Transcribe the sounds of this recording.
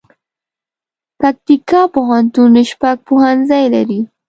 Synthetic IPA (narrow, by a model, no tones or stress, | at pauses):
pak̚t̪ɪkapʊhant̪unnɪʃpak̚pʊhanzajlaɾi